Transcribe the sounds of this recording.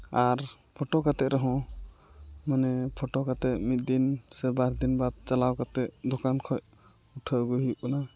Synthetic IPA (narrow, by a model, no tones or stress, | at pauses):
aɾ | pʰɔʈɔkat̪ɛʔɾɛɦɔ̃ | manɛpʰɔʈɔkat̪ɛʔ̚mit̪̚d̪insɛbaɾd̪inbad̪̚t͡ʃalawkat̪ɛʔd̪ɔkankʰɔj | uʈʰəɡuɦjuʔ̚kana